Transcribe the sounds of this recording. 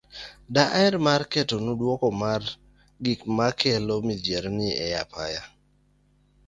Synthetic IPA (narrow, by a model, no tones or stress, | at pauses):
daʔaɪɾmarketonudwɔkɔmar | ɡikmakʰɛlomid͡ʒeɾnɪɛjapa̰ja